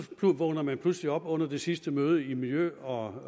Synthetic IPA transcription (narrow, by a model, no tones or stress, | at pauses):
pʰluʋɔ̽ɡ̥nɐmænpʰlusliɒ̽b̥ɔ̽n̰ɐd̥e̝sisd̥əmøːð̞ˠəimiljøɒ̽